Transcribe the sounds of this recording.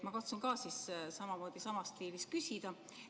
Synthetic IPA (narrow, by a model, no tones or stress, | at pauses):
mɑkɑt̪sunkɑːsissɑmɑmo̞ːd̪̥isɑmɑst̪iːlist̪̚kysʲid̪̥ɑ